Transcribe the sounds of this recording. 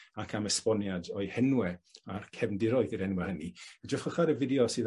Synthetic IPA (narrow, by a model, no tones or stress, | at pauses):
akʰaməspɔnjadɔɨhɛnwɛarkʰɛvndɪɾɔɨðiɾɛnwɛhəniədəχəχaɾəvɪdjɔsɨːð